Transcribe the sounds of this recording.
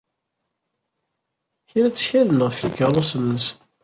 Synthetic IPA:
çiɾæt͡sːçælənəʁfikəɾˤosənːəs

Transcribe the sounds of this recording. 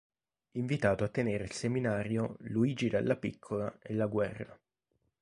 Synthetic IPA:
iɱvit̪aːt̪oat̪ːeneːɾeilseminaːɾjoluiːd͡ʒid̪alːapikʰːolaelːaɡwɛrːa

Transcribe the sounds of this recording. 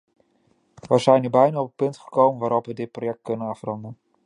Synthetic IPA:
ʋəzɛjnəbɛjnaːɔpəpɵntχə̥kowmənʋaːɾɔpʋədɪt̚projɛk̚t̚kɵnənɑfrɑndən

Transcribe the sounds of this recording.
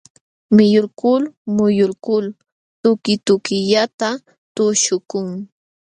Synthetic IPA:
mɪjʊlkʊlmʊjʊlkʊl | t̪ʊkɪt̪ʊkɪʎat̪a | t̪ʊʃʊkʊŋ

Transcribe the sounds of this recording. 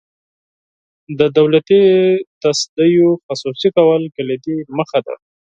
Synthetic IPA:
d̪əd̪awlat̪it̪asd̪əjoxasusikawəlkəled̪iməxad̪a̰

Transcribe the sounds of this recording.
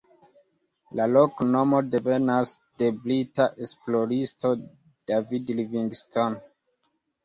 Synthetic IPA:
lalo̞kno̞mo̞de̞ve̞nasd̥e̞blitaʔe̞splo̞ɾisto̞ | d̥avidliviŋɡston

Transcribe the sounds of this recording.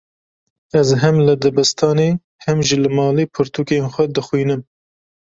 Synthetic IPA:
ɛzɦɛmlɨd̪ɛbɨst̪ʰɑːneː | hɛmʒilɨmɑːliːpʰɨɾt̪ʰuːkenxʷɛd̪ɨxwiːnɨm

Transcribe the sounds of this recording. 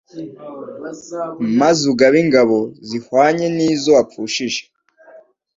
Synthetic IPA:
mazuɡaβiŋɡaβo̞zihwaːɲe̞niːzo̞ap͡fuːʃiʒe

